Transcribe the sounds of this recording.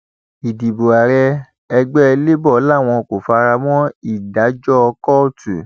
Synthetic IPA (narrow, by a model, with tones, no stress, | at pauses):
i˨di˨bo˨a˨ɾɛ˧ | ɛ˧ɡ͡bɛ˦˧le˦bɔ˦˨˦la˦˨w̃ɔ̃˧ko˨fa˧ɾa˧mɔ̃˦i˦˨da˨˦d͡ʒɔ˦˧kɔ˦˨tṵ˨